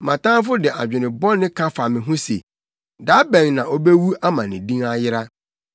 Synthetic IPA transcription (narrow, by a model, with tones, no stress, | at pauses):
mã˨tãː˦fʊ˦dɪ˨a̰˨d͡ʑᶣɪ˨nɪ̃˨bɔ˦nɪ̃˦kʰã˦fa˨mɪ̃˨ɦʊ̃˦sḛ˨ | da˨˦bɛ̃˨ŋnã˨ʔo˦be˦wu˦a˦mã˨nɪ̃˨dĩ˦ŋa˦jɪ˦ɾa˦